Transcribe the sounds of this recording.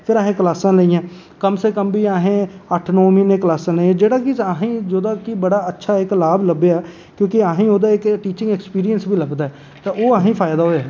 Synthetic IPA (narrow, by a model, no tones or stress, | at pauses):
pʰɪɾaːɦẽːkəlaːsãːləijãː | kəmseːkəmbʱiːaːɦẽːəʈʰnɔːmiːneːklaːsãːləiːãːd͡ʒeːɽaːkɪaːɦĩːd͡ʒoːd̪aːkibəɽaːətːʃʰaːɪklaːbləbeɛː | kjõːkɪaːɦĩːoːd̪aːɪkʈiːt͡ʃɪ̃ŋɡɛːkspiːɾijənsbʱiːləɡd̪aːɛː | t̪aːoːaːɦĩːpʰaːjd̪aːɦoːɛː